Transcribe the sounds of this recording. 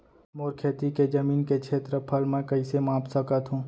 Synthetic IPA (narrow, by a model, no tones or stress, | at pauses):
moːɾkʰeːt̪iked͡ʒəmiːnkekt͡ʃʰeːt̪ɾəpʰəlmẽkɐisemãːpsəkət̪ɦũː